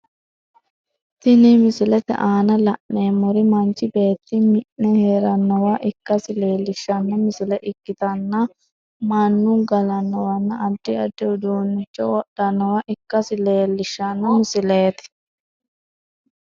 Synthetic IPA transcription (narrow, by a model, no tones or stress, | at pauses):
t̪ɪnɪmɪsɪlɛt̪ɛ̰ʔaːnɐlɐʔnːeːmːɔɾɪmɐnt͡ʃːɪbe̞ːt̪ːɪmɪʔnɛheːɾɐnːɔwaːʔɪkːɐsɪle̞ːlːɪʃːɐnːɐmɪsɪlɛʔɪkːɪt̪ɐnːɐ | mɐnːuɡɐlɐnːɔwɐnːɐɐd̪̥ːɪɐd̪ːɪʊd̪uːnːɪt͡ʃːɔwɔɗɐnːɔwaːʔɪkːɐsɪle̞ːlːɪʃːɐnːɐmɪsɪleːt̪ɪ̥